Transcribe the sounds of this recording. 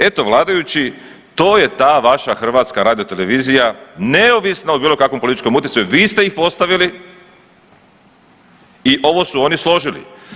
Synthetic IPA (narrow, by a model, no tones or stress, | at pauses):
e̞t̪o̞ʋlˠaːd̪ajut͡ɕi | t̪o̞ːje̞t̪aːʋaʃaxr̩ʋaːt̪skaɾaːd̪ijo̞t̪e̞le̞ʋiːzijane̞oʋisnaobiːlo̞kakʋompolit̪it͡ʃko̞mut̪jesajuʋiːst̪e̞ixpo̞st̪aʋili | iʔo̞ʋo̞suo̞nislˠo̞ʒilḭ